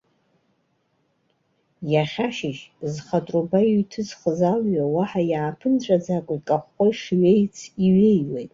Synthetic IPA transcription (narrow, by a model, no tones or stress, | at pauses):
jaχʲaʃɪʒzχatʼrubajijtʰɨzχəzalɥawaħajaːpʰɨnt͡ɕʷʼad͡zakʷʼikʼaχʷoiʂɥejt͡sʰiɥejwejtʼ